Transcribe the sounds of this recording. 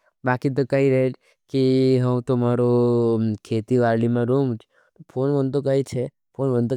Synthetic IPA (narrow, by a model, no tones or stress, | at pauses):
baːkit̪̬okəɦiɾəɦet͡ʃ | kiɦəw̃t̪omaɾokʰet̪iʋaɾlimãɾomt͡ʃʰ | t̪opʰonʋənt̪okəit͡ʃʰe | pʰonʋənd̪o